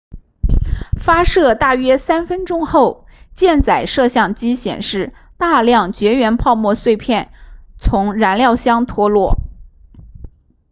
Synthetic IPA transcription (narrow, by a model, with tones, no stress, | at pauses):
fa˥ʂɤ˥˧t̪a˥˩ɥɛ˥sa˥nfə˥nʈ͡ʂʊ˥ŋxo˥˧˩ʊt͡ɕjɛ˥˩nt͡sa˨˩ɪʂɤ˥˧ɕjɑ˥˩ŋt͡ɕi˥ɕjɛ̰˨˩nʂɻ̩˥˧ | t̪a˥˧ljɑ˥˩ŋt͡ɕɥɛ˧˥ɥɛ˧˥npʰɑ˥˧ʊmwɔ˥˧swe˥˧ɪpʰjɛ˥˩nt͡sʰʊ˧˥ŋɻa˧˥nljɑ˥˩ʊɕjɑ˥ŋt̪ʰwɔ˥lwɔ˥˩